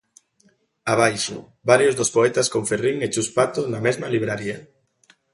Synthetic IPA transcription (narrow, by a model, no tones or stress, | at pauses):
aβ̞ajʃʊ̰ | baɾjozðospoɛt̪askoɱferiŋet͡ʃuspat̪onamɛzmɐliβɾaɾiɐ